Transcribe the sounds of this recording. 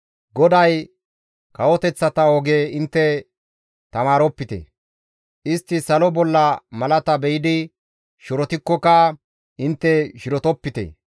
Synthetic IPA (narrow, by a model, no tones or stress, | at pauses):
ɡɔd̪ɐj | kɐwɔt̪ɛt͡sːɐt̪ɐɔɡeːɪnt̪ːɛ | t̪ɐmaːɾɔpːɪt̪ɛ̰ | ʔɪst̪ːɪsɐlɔbɔlːɐmɐlɐt̪ɐbɛjɪd̪ɪ | ʃʊɾɔt̪ɪkːɔkɐ | ʔɪnt̪ːɛʃɪɾɔt̪ɔpːɪt̪ḛ